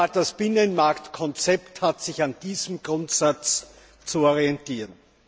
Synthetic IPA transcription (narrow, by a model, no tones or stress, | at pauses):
ad̥asb̥ɪnənmaɐktkʰɔnt͡sɛpthatsɪçand̥iːzəm̩ɡ̥ʁʊ̃ntsat͡s | t͡suɔʁiɛntiːʁən